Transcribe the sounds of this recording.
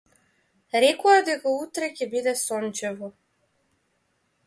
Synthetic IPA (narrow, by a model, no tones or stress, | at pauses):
ɾɛkɔad̪ɛkaut̪ɾɛcʲɛbid̪ɛsɔnt͡ʃɛvɔ